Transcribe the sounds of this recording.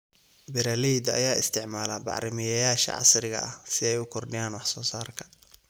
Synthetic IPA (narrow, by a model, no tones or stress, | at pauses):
bɪɾaliːd̪ɐ̰jaːɪst̪ʰɪʕmaːlɐbɑ̰ʕɾɪmɪjɐjaːʃɐ̰ʕɑ̰sɾɪɣɐ̰ʔɐ̰hsɪɛjʊkʰɔrɖɪjaːnwɑħsɔːsaːrkʰɐ̥